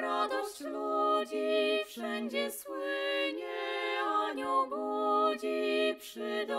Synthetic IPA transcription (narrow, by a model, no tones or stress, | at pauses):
ɾad̪ɔɕt͡ɕlud͡ʑifʂɛnd͡ʑɛswɪɲɛaɲɔɡud͡ʑipʂɘd̪ɔ